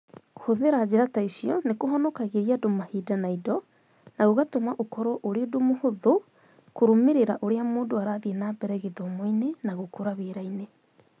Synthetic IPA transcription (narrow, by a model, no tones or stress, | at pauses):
hoðeɾad͡ʑeɾataisiɔnekoɦɔnɔkaɣeɾiadomahidanaidɔ | naɣoɣatomaʔokɔɾɔʔoɾeodomohoðo | koɾomeɾeɾaʔoɾeamoːndoaɾaðenaːbɛɾɛɣeðɔmɔinenaɣokoɾaβeɾaine